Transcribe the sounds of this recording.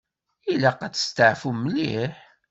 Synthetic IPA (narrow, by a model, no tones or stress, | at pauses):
ilæqæt͡sːə̥st̪əʕfuməliħ